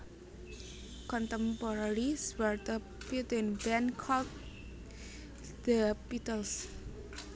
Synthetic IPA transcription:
kɔ̃ntə̃mpɔɾaɾiswəɾd̪ə | put̪ĩnbɛ̃nkʰɔld | d̪əpit̪əls

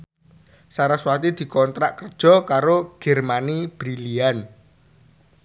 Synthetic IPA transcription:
saɾaswat̪id̪̥i̤kɔnt̪ɾaʔkərd̥ʒ̥ɔ̤kaɾoɡ̥ɛrmanib̥ɾilian

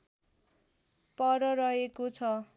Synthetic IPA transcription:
pʌɾʌɾʌɦekot͡sʰʌ

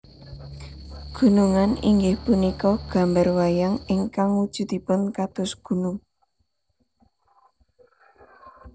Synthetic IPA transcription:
ɡ̥ṳnuŋanḭŋɡɪhpunikɔɡ̥a̤mbarwajaŋɪŋkaŋud̥ʒ̥ṳd̪̥ipʊnkat̪ʊsɡ̥ṳnʊŋ

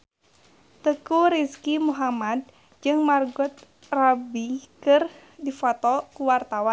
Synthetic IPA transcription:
t̪əkuɾiskimuɦamad̪̚ | d͡ʒɨŋmarɡut̪̚ | rabikɨr | difɔt̪ɔkuwart̪awan

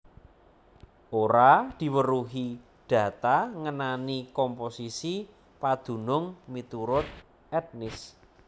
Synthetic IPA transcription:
ʔoɾad̪̥i̤wəɾuɦi | d̥ä̤t̪aŋənanikɔmposisi | pad̪̥ṳnʊŋmit̪uɾʊt̪̚ | ɛt̪̚nɪs

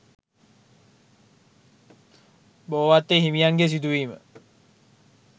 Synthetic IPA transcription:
boʋat̪ːeɦimijaŋɡes̬id̪uiːmə̰

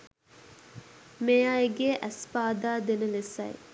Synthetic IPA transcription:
mejaːeɡeːʔæspaːd̪aːd̪enəlesɐ̰j

